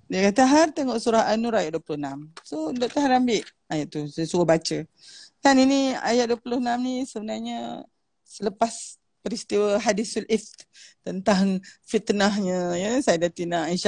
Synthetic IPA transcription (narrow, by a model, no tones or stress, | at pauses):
diakat̪aɦart̪əŋɔʔsuɾaɦanuɾajaʔ̪̚duəpulʊnamsodoʔt̪aɦaɾambɪʔ | ajaʔ̚t̪usəsuəbat͡ʃə | kaninia̰jat̪̚duəpulʊhnamnisəbənarɲə | sələpas | pəɾist̪iwəɦadisulift̪t̪ənt̪aŋfit̪naɦɲəjəsajadat̪inainʃ